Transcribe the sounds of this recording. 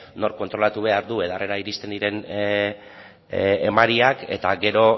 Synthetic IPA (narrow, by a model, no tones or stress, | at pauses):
no̞rko̞nt̪ɾo̞lat̪uβ̞e̞aɾðue̞ðare̞ɾaiɾist̪e̞nd̪iɾe̞n | emaɾiake̞̰t̪aɡe̞ɾo̞